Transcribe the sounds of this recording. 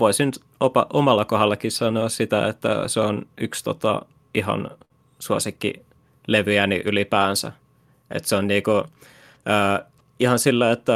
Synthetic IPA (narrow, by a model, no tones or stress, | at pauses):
ʋoisinyt̪ | opɑʔomɑlːɑkohɑlːɑkissɑnoːssit̪æ̰ḛt̪ːæ̰seonykst̪ot̪ɑ̰ | ihɑ̰n | suosikːḭ | leʋyjænḭʔylipæːnsæ̰ | ʔḛt̪seonniːku | əː | ihɑnsilːæet̪ːæ